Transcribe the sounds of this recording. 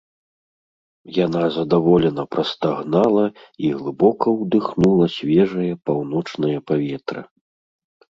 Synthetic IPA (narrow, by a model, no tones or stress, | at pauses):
janazɐd̪avɔlʲɛnɐpɾɐst̪aɣnalˠɐiɣlˠɨbɔkɐwd̪ɨxnulˠɐsʲvʲɛʐɐjɐpawn̪ɔt͡ʂnɐjɐpavʲɛt̪ɾɨ̰